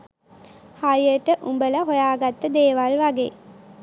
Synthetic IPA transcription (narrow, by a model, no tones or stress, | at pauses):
hajəʈəʔumbələɦojaːɡat̪ːəd̪eːʋalʋaɡḛː